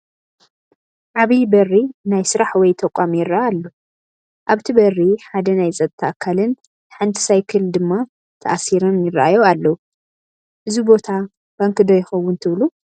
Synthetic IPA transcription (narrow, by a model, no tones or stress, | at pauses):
ʕaβibɐrːinajsɨɾaħwɔjt̪ʰɐkʷʼːamjɪraʔaalːo | ʔaβt̪ʰibɐrːiħad̪ɐnajzʼɐt̪ʼt̪ʰːɐʔakʰːalɨn | t̪ħɨnt̪ʰɨ̥sajkʰɨld̪ɨmːa | t̪ʰɐ̰ʔasiɾomjɪraʔajoalːɐu | ʔɨzubo̞t̪ʰa | b̥aŋkɨd̪ojɪxɐwːʊnt̪ʰɨβlu